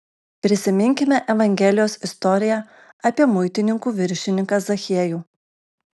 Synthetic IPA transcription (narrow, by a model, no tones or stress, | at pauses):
pʲɾʲɪsʲɪmʲɪŋʲkʲɪmʲɛʔɛʋɐŋʲɡʲɛlʲɪjoːsɪst̪ɔɾʲɪjæː | ɐpʲiɛmʊɪt̪ʲɪnʲɪŋkuːʋʲɪɾʲʃʲɪnʲɪŋkɐsɐxʲiɛjuː